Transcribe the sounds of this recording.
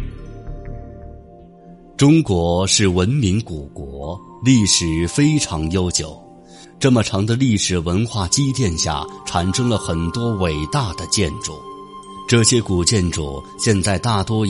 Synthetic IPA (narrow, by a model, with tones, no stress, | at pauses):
ʈ͡ʂʊ˥ŋkwɔ˧˥ʂɻ̩˥˩wə˧˥nmi˧˥ŋku˨˩kwɔ˧˥ | li˥˩ʂɻ̩˨˩fe˥ɪʈ͡ʂʰɑ˧˥ŋjo˥ʊt͡ɕjo˨˩˦ʊ | ʈ͡ʂɤ˥˩mə˩ʈ͡ʂʰɑ˧˥ŋd̪ə˧li˥˩ʂɻ̩˨˩wə˧˥nxwa˥˩t͡ɕi˥t̪jɛ˥˧nɕja̰˥˩ʈ͡ʂʰa˨˩nʂɤ˥ŋlə˨xə˨˩nt̪wɔ˥we˨˩ɪt̪a˥˩d̪ə˩t͡ɕjɛ˥˩nʈ͡ʂu˥˨˩ | ʈ͡ʂɤ˥˩ɕjɛ˥ku˨˩t͡ɕjɛ˥˩nʈ͡ʂṵ˨˩ | ɕjɛ˥˧nt͡sa˥˧ɪt̪a˥˩t̪wɔ˥